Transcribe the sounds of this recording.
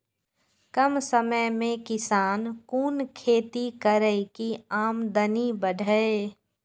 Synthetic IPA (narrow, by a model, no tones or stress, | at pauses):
kəmsəməjmẽkɪsaːnkuːnkʰeːt̪ikəɾəikiaːmd̪ənibəɖʱəe